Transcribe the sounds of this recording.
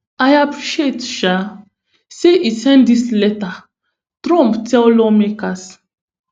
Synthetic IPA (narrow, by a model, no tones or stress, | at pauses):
ajapɹiʃetʃa | seʔisɛ̃ndislɛta | tɾɔ̃mptɛllɔmekas